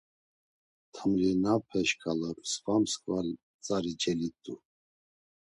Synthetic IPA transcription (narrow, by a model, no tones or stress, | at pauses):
t̪ʰəmlinapʰɛʃkʰalɔksvamskʼval | t͡sʼaɾit͡ʃʰʼɛlit̪ʼu